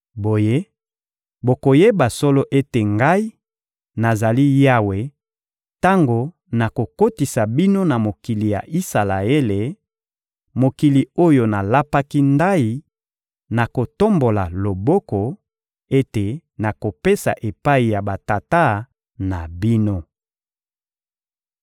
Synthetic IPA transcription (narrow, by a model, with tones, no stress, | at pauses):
bo˨je˦ | bo˨ko˨je˦ba˨so˦lo˦ʔe˦te˨ŋɡa˦i˦ | na˨za˨li˦ja˦we˨ | ta˦ŋɡo˨ | na˨ko˨ko˦ti˨sa˨bi˦no˦na˨mo˨ki˨li˨ja̰˨ʔi˦sa˨la˨e˦le˨ | mo˨ki˨li˨o˦jo˨na˨la˦pa˦ki˦nda˦i˨ | na˨ko˨to˦mbo˨la̰˨lo˨bɔ˦kɔ˨ | e˦te˨na˨ko˨pe˦sa̰˨ʔe˨pa˦i˨ja˨ba˨ta˨ta˦ | na̰˨bi˦no˦